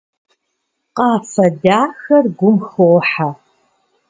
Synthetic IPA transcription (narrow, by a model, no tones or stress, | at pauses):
qɑːfɐdaːxɐrɡʷʊmxowħa